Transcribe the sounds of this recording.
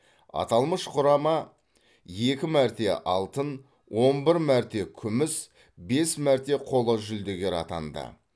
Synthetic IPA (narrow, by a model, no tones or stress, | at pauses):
ɑ̰t̪ɑlˠməʃqʰʊɾɑmɑ | je̞kʲɪmæɾt̪e̞ʔɑlˠt̪ən | wʔo̞nbɪɾmæɾt̪e̞kʲʰʏmɪs | be̞smæɾt̪e̞qʰo̞lˠəʒʏld̪e̞ɡʲe̞ɾɑ̰t̪ɑ̰nd̪ə̰